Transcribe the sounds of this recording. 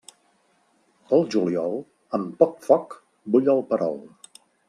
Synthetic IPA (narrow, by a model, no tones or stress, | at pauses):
əlˠʒuliɔlˠ | əmpɔkfɔk | buʎəlˠpəɾɔ̰lˠ